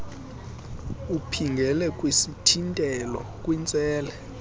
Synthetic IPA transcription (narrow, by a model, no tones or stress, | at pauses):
upʰiŋɡʱɛlɛkʼwesitʰintʼɛlɔ̰kʼwint͡sʼɛːlɛ